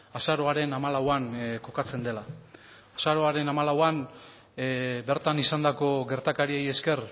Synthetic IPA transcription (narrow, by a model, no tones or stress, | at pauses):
asaɾo̞aɾe̞namalawaŋko̞kat͡se̞nd̪e̞laː | saɾo̞aɾe̞namalawan | be̞ɾt̪anisand̪ako̞ɡe̞ɾt̪akaɾie̞je̞ske̞r